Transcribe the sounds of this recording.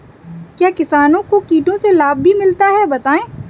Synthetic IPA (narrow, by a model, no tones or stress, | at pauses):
kjaːkɪsaːnõkokiːʈõselaːb̚bʱimɪlt̪aɦɛbɐt̪aːẽː